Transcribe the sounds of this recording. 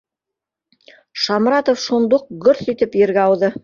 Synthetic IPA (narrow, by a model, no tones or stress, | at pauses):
ʃɑmɾɑt̪ŏfʃund̪oq̚ɡɵɾθit̪ɘpjɘ̆ɾɡæɑwðɤ